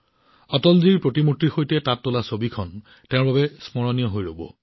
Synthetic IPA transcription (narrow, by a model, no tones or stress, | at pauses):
ɔtɔlziɹpɹotimutɹixojtɛtatːolasobikʰɔn | tɛʊ̃ɹbabɛsmɔɹɔnijɔɦojɹobɔ̰